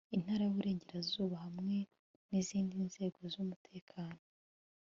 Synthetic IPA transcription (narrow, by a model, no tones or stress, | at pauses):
in̥haɾajuβuɾe̞ːɲɟe̞ɾazuːβahamŋe̞ | niziːndinz̥e̞ːɡo̞zumutʰe̞ːkʰaːno̞